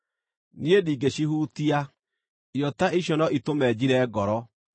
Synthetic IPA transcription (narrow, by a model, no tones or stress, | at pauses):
niediːɡeɕihuːtia | jɔtaʔiɕɔnɔʔitomɛːd͡ʑiɾɛɡɔɾɔ